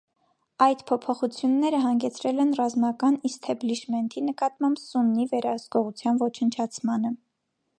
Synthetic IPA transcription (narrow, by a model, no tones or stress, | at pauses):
ɑjt̪pʰɔpʰɔχut͡sʰjunːɛɾəɦɑŋɡɛt͡sʰɾɛlɛnrɑzmɑkɑnist̪ʰɛbliʃmɛnt̪ʰinəkɑt̪mɑmbsunːivɛɾɑhəzɡɔʁut͡sʰjɑnvɔt͡ʃʰənt͡ʃʰɑt͡sʰmɑnə